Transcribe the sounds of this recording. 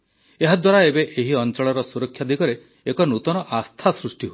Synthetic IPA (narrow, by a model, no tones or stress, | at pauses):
eɦad̪waɾaebeʔeɦiɔnt͡ʃɔɭɔɾɔsuɾɔkʰːjad̪ikɔɾe | ekɔnut̪ɔnɔʔast̪ʰasɾusʈiɦo